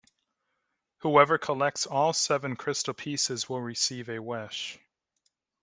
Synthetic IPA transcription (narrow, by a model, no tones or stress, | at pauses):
huɛvə˞kʰəlɛk̚tsɔlˠsɛvɨ̃nkʰɹ̥ɪstl̩ˠpʰisɨzwɪlˠɹɨsivɨwɛʃ